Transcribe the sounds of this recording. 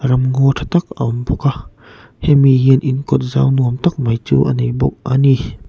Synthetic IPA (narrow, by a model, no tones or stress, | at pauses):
ɾamŋot̪ʰat̪ak̚ʔa̰mbɔka | hɛmiɦiənʔinkɔt̪̚zaːwnuəmt̪ak̚majt͡ɕuʔanijbɔk̚ʔani